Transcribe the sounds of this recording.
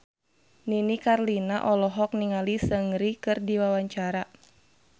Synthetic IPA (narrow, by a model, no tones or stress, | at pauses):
ninikarlinaʔɔlɔɦɔk̚niŋalisəŋɾikɨrdiwawaɲt͡ʃaɾa